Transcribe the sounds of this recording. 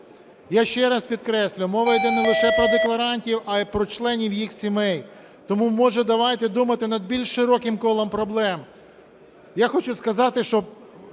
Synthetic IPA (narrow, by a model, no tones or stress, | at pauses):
jaʃt͡ʃɛɾɐspʲid̪kɾɛsʲlʲʊmɔʋɐjd̪ɛnɛlˠɪʃɛpɾɔd̪eklˠɐɾɑnʲtʲiwɐpɾɔt͡ʃlˠɛnʲiwjixsʲimɛj | t̪ɔmumɔʒɛd̪ɐʋɑjt̪ɪd̪umɐt̪ɪnɐd̪̚bʲilʲʃːɪɾɔkɪmkɔlˠɔmpɾɔblˠɛm | jaxɔt͡ʃʊskɐzɑt̪ɪʃt͡ʃɔ